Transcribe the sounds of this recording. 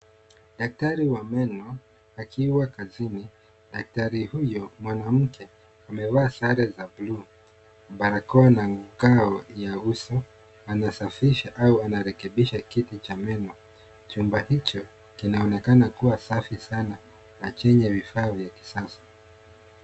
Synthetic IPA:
ɗak̚taɾiwamɛnɔ | akʰiwakazini | ɗak̚taɾihujɔmwanam̩kʰɛ | amɛvaːsaɾɛzablu | ɓaɾakɔanaŋɡukaɔjausɔ | anasafiʃaʔauanaɾɛkɛɓiʃakitit͡ʃamɛnɔ | t͡ʃumbahit͡ʃɔ | kinaɔnɛkanakuwasafisana | nat͡ʃɛɲɛvifaːvjaki̥sasḁ

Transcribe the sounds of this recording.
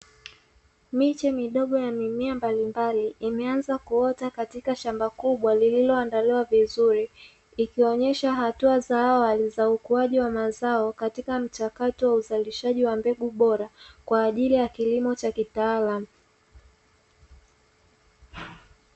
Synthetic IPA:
mit͡ʃɛmiɗɔɠɔjamimiambalimbaliːmɛanzakuɔtakatikaʃambakuɓwalililɔandaliwavizuɾiː | kiɔɲɛʃaɦatuazaːwalizaukuaʄiwamazaɔkatikam̩t͡ʃakatɔwauzaliʃaʄiwambɛɠuɓɔɾakwaːʄilijakilimɔt͡ʃakitaːlamu

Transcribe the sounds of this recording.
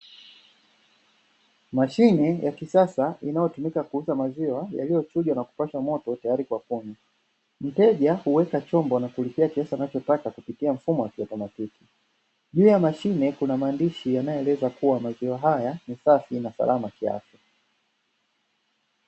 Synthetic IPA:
maʃinɛjakisasainajɔtumikakuuzamaziwaja̰lijɔt͡ʃuʄwanaku̥paʃamɔtɔtajaɾikwakuɲa | m̩tɛʄahuwɛkat͡ʃɔmbɔnakulipiakiasanat͡ʃɔtakakupitiam̩fumɔwakiɔtɔmatiki̥ | ʄuːjamaʃinɛkunamaːndiʃijanajɔɛlɛzakuwamaziwaɦajanisafinasa̰lʔamakia̰fa

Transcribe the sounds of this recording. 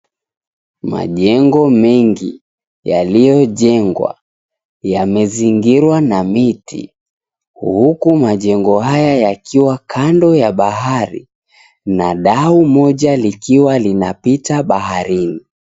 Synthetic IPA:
ma̰ʄɛŋɡɔmɛŋɡḭ | ja̰lijɔʄɛŋɡwa̰ | jamɛziŋɡiɾwanamitḭ | huhukumaʄɛŋɡɔhajajakʰiwakʰandɔjaɓaɦaɾḭ | naɗaumɔʄalikiwalinapitaɓahaɾini

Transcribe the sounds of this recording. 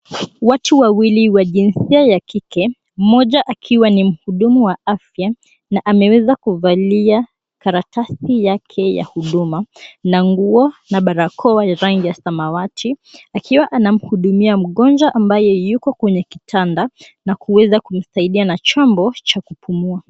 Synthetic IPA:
watuwawiliwaʄinsiajakʰikɛ | m̩mɔʄaʔakʰiwanim̩huɗumuwaafja | naʔamɛwɛzakuvalia | kaɾatasijakʰɛja̰huɗumanaŋɡuɔnaɓaɾakʰɔwaɾaŋɡijasamawatʰiakiwaʔanam̩huɗumiam̩ɠɔnd͡ʒwaʔambajɔjukɔkwɛɲɛki̥tʰanda | nakuwɛzakum̩saiɗianat͡ʃɔmbɔt͡ʃakupumua

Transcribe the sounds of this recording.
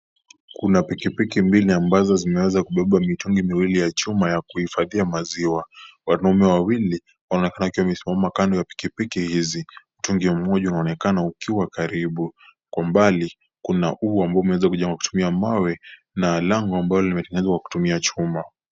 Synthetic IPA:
kunapikipikimbiliambazɔzimɛwɛzakuɓɛɓamituŋɡimiwilijat͡ʃumajakuhifaðiamaziwawanaumɛwawili | wanaɔnɛkanaukiwamɛsimamakandɔjapi̥kipikihiziutuŋɡim̩mɔʄaunaːnɛkanaukiwakaɾiɓu | kwambali | kunaʔuambaɔumɛwɛzakuʄɛŋɡaku̥tumiamawɛ | nalaŋɡɔambalɔlimɛtɛŋɛnɛzwakwaku̥tumiat͡ʃuma

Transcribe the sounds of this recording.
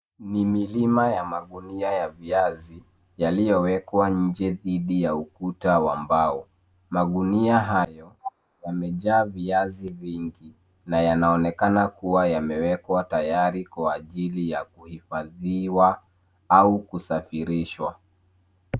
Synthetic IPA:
nimilimajamaɠuniajaviazi | jalijɔwɛkwaɲ̩d͡ʒɛðiɗijaukutawambau | maɠuniaɦajɔ | jamɛʄaːviaziviŋɡi | najanaɔnɛkanakuwajamɛwɛkwatajaɾikwaːʄilijakuhifaðiwa | aukusafiɾiʃwa

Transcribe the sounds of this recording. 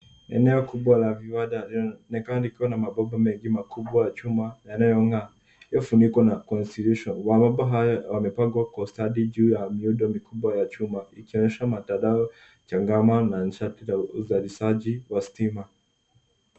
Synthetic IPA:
ɛ̰nɛɔkuɓwalaviwaɗalinɛkanalikiwanamaɓabamɛŋɡimakuɓwajat͡ʃumajanajɔŋɡa | ijɔfunikwanakɔnstiljuʃɔnwamaɓaɦajɔwamɛpaɡwakwastaɗiʄuːjamiuɗɔmikuɓwajat͡ʃumaikiɔɲɛʃamatadaɔ | t͡ʃaŋɡamanan̩ʃatilauzaliʃaʄiwastima

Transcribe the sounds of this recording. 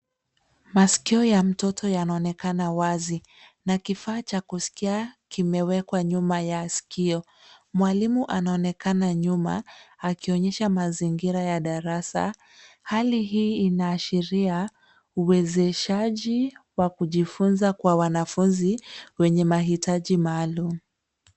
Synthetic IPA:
maskiɔjam̩tɔtʰɔjanaɔnɛkanawazi | nakifaːt͡ʃakusi̥kiakimɛwɛkwaɲumajasi̥kiɔ | mwalimuʔanaɔnɛkanaɲuma̰ːkiɔɲɛʃamaziŋɡiɾajaɗaɾasa̰ | haliɦiːnaːʃiɾia | uwɛzɛʃaʄiwakuʄifunzakwawanafunziwɛɲɛmaɦitaʄimaːlumu

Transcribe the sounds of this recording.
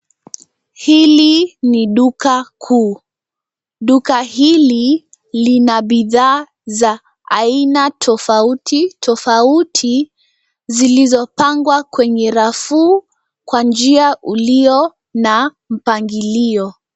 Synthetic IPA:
hiliniɗukakʰuː | ɗukahili | linaɓiðaː | za | ainatʰɔfautʰitʰɔfautʰi | zilizɔpaŋɡwakwɛɲɛɾafuː | kwand͡ʒiaʔuliɔ | na | m̩paŋɡiliɔ

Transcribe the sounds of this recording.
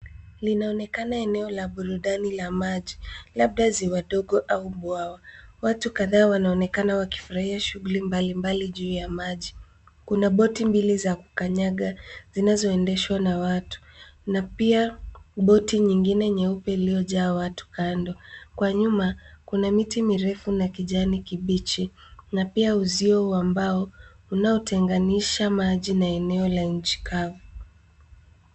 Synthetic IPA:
linaɔnɛkanaɛnɛɔlaɓuɾuɗanilamaʄilaɓ̚ɗaziwaɗɔɠɔʔauɓwawawatukaðaːwanaɔnɛkanawaki̥fuɾahiaʃuɣulimbalimbaliʄuːjamaʄi | kunaɓɔtimbilizaku̥kaɲaɠazinazɔɛndɛʃwanawatu̥napiaɓɔtiɲiŋɡinɛɲɛupɛiliɔʄaːwatu̥kʰandɔkwaɲumakunamitimiɾɛfunakiʄanikiɓit͡ʃinapiauziɔuambaɔ | unaɔtʰɛŋɡaniʃamaʄinaɛnɛɔlaɲ̩t͡ʃi̥kʰavu

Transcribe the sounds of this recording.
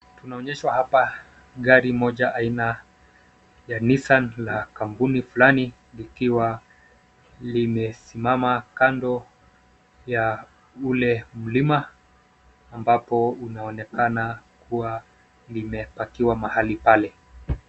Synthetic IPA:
tunaɔɲɛʃwahapa | ɠaɾimɔʄaʔaina | janisanlakampunifulani | likiwa | limɛsimamakandɔ | ja | ulɛm̩limaː | mbapɔunaɔnɛkanakuwa | limɛpakiwamahalipalɛ

